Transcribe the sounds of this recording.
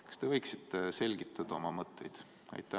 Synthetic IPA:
kɑ̥st̪e̞vɤjksit̪ːˑese̞lʲɡit̪ˑːɑd̪̥ɑo̞mɑmɤt̪ːˑe̞jd̪̥ | ɑ̰jt̪ːˑæ

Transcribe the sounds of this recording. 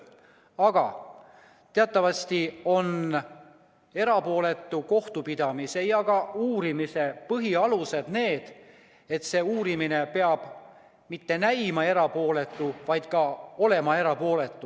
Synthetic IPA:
ɑɡ̥ɑ̰ | t̪e̞ɑt̪ːˑɑvɑst̪io̞n | e̞ɾɑpo̞ːle̞t̪ːˑuko̞ht̪upid̪̥ɑmise̞jɑɡ̥ɑuːɾimise̞pɤɦiɑluse̞d̪̥ne̞ːd̪̥ | e̞t̪se̞uːɾimine̞pe̞ɑb̥ | mit̪ːe̞næjmɑe̞ɾɑpo̞ːle̞t̪ːˑuvɑjd̪̥kɑo̞le̞mɑe̞ɾɑpo̞ːle̞t̪ːˑu

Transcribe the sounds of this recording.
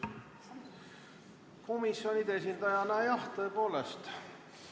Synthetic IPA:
ko̞misjo̞nʲid̪esind̪̥ɑjɑnɑjɑht̪ɤ̞epo̞ːlest̪

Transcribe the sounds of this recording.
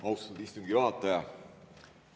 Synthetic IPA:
ɑwst̪ud̪ist̪umɡiɑɑt̪ːˑɑjɑ

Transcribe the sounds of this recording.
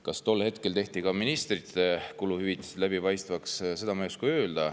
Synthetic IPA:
kɑst̪o̞lːhe̞t̪kelt̪e̞ht̪ikɑminist̪rit̪ekuluhyvit̪ːˑi̥se̥læbipɑjst̪vɑksse̞d̪ɑmɑjuskujø̞ːld̪ɑ

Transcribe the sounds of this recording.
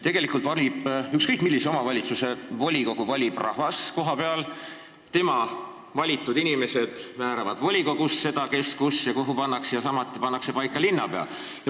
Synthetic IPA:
t̪e̞ɡ̥e̞likˑult̪vɑlʲib̥ykskɤjkmilːise̞o̞mɑvɑlʲit̪suse̞vo̞lʲiko̞ɡ̥uvɑlʲib̥rʔɑ̰hvɑsko̞ɦɑpe̞ɑl | t̪e̞mɑ | vɑlʲit̪ˑːud̪inime̞se̞d̪̥mæːɾɑvɑd̪̥vo̞lʲiko̞ɡ̥usse̞d̪̥ɑke̞skusjɑkuɦupɑnːɑksjɑsɑmɑt̪ːˑipɑnːɑkse̞pɑjkːˑɑlinːɑ̰pe̞ɑ̰l | jɑ

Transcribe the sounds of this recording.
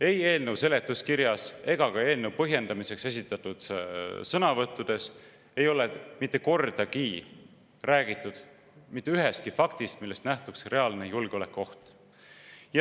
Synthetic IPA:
e̞je̞ːlnewse̞le̞t̪ːˑuskiɾjɑse̞ɡ̥ɑɡɑe̞ːlnew̚pɤɦje̞nd̪ɑmise̞kse̞sʲit̪ːˑɑt̪ːˑud̪̥sɤnɑvɤt̪ːˑud̪̥e̞s | e̞jo̞lemit̪ːˑe̞ko̞rd̪̥ɑkiː | ræːɡ̥it̪ːˑud̪̥ | mit̪ːeyɦest̪kifɑkt̪ist̪milːe̞st̪næht̪uksre̞ɑlne̞julɡ̥eo̞lekːˑo̞ht̪ | j

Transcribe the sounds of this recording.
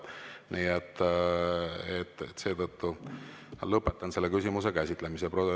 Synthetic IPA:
niːet̪ː | et̪ːet̪ːse̞ːt̪ɤt̪ːu | lɤpːˑe̞t̪ːˑɑnse̞lːe̞kysʲimuse̞kæsit̪ːˑlemiseprod̪o

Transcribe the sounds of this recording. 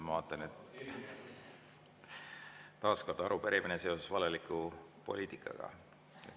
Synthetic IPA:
mɑvɑːt̪ˑːɑnet̪ | t̪ɑːskord̪̥ɑɑɾupeɾʔiminese̞ose̥svɑlelikːˑupo̞̰liːt̪ˑikʰːˑɑ̰ɡ̥ɑ̰ | e

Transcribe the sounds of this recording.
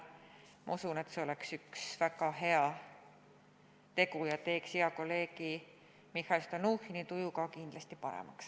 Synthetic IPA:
mɑ̰usune̞t̪ːse̞oleksyksvæɡ̥ɑɦe̞ɑ | t̪e̞ɡujɑt̪e̞ːksiɑko̞lːe̞ːɡi | mihˑɑjst̪onuːhinit̪ujukɑkind̪̥lɑst̪ipɑɾḛmɑ̰ks

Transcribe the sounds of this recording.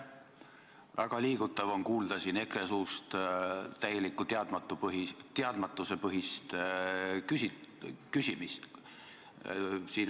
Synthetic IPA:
væ̰ɡ̥ɑliːɡ̥ut̪ːˑɑvo̞nkuːld̪̥ɑsine̞kre̞suːst̪t̪æje̞likːˑut̪eɑd̪̥mɑt̪ːupɦit̪eɑd̪̥mɑt̪ːˑuse̞pɤɦist̪ | kysikysʲimist̪ | siːn

